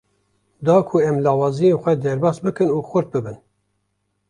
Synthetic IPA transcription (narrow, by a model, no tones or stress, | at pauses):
d̪ɑːkʰuɛmlɑːwɑːzijenxʷɛd̪ɛɾbɑːsbɨkɨnuːxʷʊɾt̪̚bɨbɨn